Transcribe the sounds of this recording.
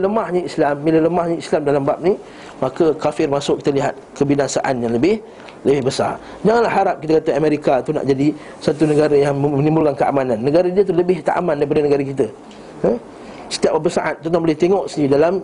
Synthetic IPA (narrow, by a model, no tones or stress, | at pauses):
ləmahɲəislamːilələmahɲəislamdalambap̚ni | makəkafɪrmasʊki̥t̪əliɦat̪̚kəbinasaʔanjaŋləbɪh | ləbɪhbəsa̰r | d͡ʒaŋanlahːaɾap̚kit̪akat̪aameɾikat̪una̰ʔd͡ʒadi | sat̪unəɡaɾajaŋəənĩmbulkankəʔa̰mananːəɡaɾadiət̪̬uləbɪht̪aʔa̰mãndajp̬adənəɡaɾak̬it̪̬ə | ə | sə̥t̪iap̚əbəsaʔat̪̚ːɔnt̪ãŋbolɛht̪eŋɔʔsənidalam